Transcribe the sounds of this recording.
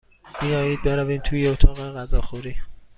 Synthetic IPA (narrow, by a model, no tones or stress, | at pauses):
b̥ijɒːjiːd̪̚beɾæviːmt̪ʰuːjeot̪ʰɒːɣeɣæzɒːxuɾiː